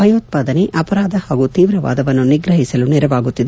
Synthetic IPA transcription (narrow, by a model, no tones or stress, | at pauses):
bʱɐjoːt̪̚paːd̪ɐneʔɐpɐɾaːd̪ɐhaːɡut̪iːʋɾɐʋa̰ːd̪ɐʋɐnːuniɡɾɐɦisɐlunɛɾɐʋaːɡut̪ːid̪e